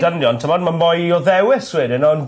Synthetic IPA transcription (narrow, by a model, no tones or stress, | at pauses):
ənjɔntʰɪmɔdmanmɔjɔðɛwɪswɪdɪnɔn